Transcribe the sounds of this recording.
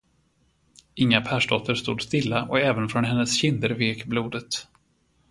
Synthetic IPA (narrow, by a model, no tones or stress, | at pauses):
ɪŋːapʰæːʂɖɔt̪ʰːəɾst̪ṵːd̪st̪ɪlːaʔɔkɛːvənfɾɔnɦɛnːəsɕɪnd̪əɾveːkbluːd̪ət̪